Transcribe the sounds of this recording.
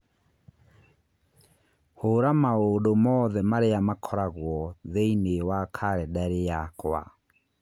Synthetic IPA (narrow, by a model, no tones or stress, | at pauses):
hoɾamaodomɔːðɛmaɾeamakʰɔɾaɣwɔðeinewakʰaɾɛdaɾejakwa̰